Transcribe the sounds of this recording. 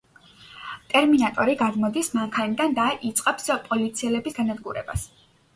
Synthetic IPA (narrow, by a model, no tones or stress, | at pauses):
t̪ʼɛɾminat̪ʼɔɾiɡad̪mɔd̪ismaŋkʰanid̪and̪aʔit̪sʼqʼɛpspʼɔlit̪sʰiɛlɛbisɡanad̪ɡuɾɛ̰ba̰s